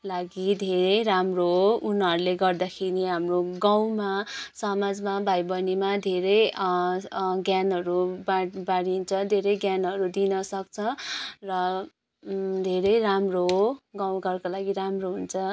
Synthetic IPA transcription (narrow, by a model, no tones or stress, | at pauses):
laɡid̪ʱeɾʌjɾamroɦounɦʌɾuleɡʌrd̪akʰeɾiɦamroɡaw̃masʌmad͡zmabʱajbʌnimad̪ʱeɾʌj | ɡjanɦʌɾubabaɽint͡sʰʌd̪ʱeɾʌjɡjanɦʌɾud̪inʌsʌkt͡sʰʌrʌ | d̪ʱeɾʌjramroɦoɡaw̃ɡʌrkolaɡiɾamroɦunt͡sʰʌ